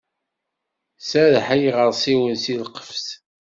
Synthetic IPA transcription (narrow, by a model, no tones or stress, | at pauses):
sæðħæjʁəɾˤsˤiwənsilqə̥fs